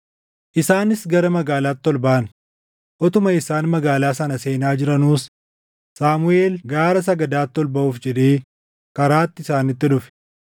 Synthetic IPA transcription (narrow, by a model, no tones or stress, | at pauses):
ʔɪsaːnɪsɡɐɾɐmɐɡaːlaːt̪ːɔlbɐʔɐn | ʔɔt̪ʊmɐɪsaːnmɐɡaːlaːsɐnɐse̞ːnaːd͡ʒɪɾɐnuːs | saːmʊeːlɡaːɾɐs̬ɐɡɐd̪aːt̪ːɔlbɐʔuːfd͡ʒɛᶑeː | kɐɾaːt̪ːɪsaːnɪt̪ːɪᶑʊfɛ̥